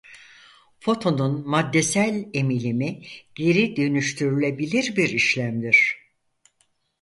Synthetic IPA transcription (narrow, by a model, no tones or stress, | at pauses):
fo̞t̪ʰo̞nunmad̪ːe̞sælʲe̞milʲimiɟ̥e̞ɾid̪ønyʃt̪ʰyɾylʲe̞bilʲiɾbiɾiʃlʲæmd̪iɾ̝̥